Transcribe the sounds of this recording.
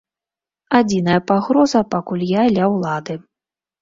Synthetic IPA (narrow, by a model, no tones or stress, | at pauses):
ad͡zʲin̪ɐjɐpaɣɾɔzɐpakulʲjalʲawlˠad̪ɨ